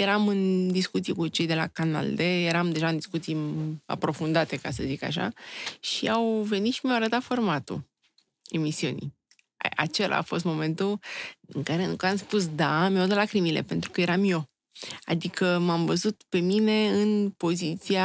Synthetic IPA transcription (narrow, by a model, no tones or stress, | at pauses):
je̞ɾamɨnd̪iskut̪sijekut͡ʃe̞jd̪e̞la̰kana̰ld̪e̞jeɾamd̪e̞ʒaɨnd̪iskut̪sija̰pɾo̞fund̪at̪e̞kasəzika̰ʃa̰ʃiawve̞nit̪ʃimjawaɾət̪at̪fo̞rmat̪ṵ | e̞misiunḭ | a̰t͡ʃe̞lʔa̰ːfo̞s̬t̪mo̞mẽ̞nt̪uɨ̰ŋkaɾe̞nukamspus̬d̪amaod̪əlakɾimile̞̰pe̞nt̪ɾukəje̞ɾamjo̞ | a̰d̪ikʰəmamvəzut̪pe̞mine̞ɨnpo̞zit̪sia